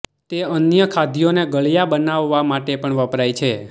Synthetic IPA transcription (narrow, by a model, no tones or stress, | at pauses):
t̪eənjəkʰad̪ʱijoneɡəɭjabənaʋːamaʈepəɳʋəpɾajt͡ʃʰe